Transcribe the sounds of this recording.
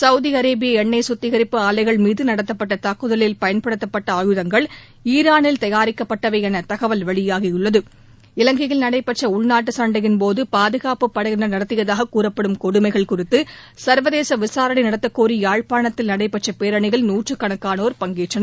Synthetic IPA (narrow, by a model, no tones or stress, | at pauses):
sɐʊðiɐɾeːbɪjɐɛɳːeːsʊt̪ːɪɣɐɾɪpːɯaːlɐɪɣɐɭmiːðɯnɐɽɐt̪ːɐpːɐʈːɐt̪ɐkːɯðɐlɪlpɐjɐnpɐɽɯt̪ːɐpːɐʈːɐɐjɯðɐŋɡɐɭ | iːɾaːnɪlt̪ɐjaːɾɪkːɐpːɐʈːɐʋɐɪɐnɐt̪ɐɣɐʋɐlʋɐɭɪjaːɣɪjʊɭːɐðɯ | ɪlɐŋɡɪɣɪlnɐɽɐɪpːɐʈt͡ʃːɐʊɭnaːʈːɯsɐɳɖɐɣɪnpoːðɯpaːðɯɣaːpɯpːɐɽɐɣɪnɐnɐɽɐt̪ːɪɣɐðaːɣɐkuːrɐpːɐɽɯmkɔɽɯmɐɪɣɐɭkʊrɪt̪ːɯ | sɐɾʋɐðeːsɐʋɪsaːɾɐɳɐnɐɽɐt̪ːɐkːoːɾiaːɻpaːɳɐt̪ːɪlnɐɽɐɪpːɐʈ̚t͡ʃːɐpeːɾɐɳɪɣɐɭnuːʈrɯkːɐɳɐkːaːnoːɾpɐŋɡeːʈrɐnɐ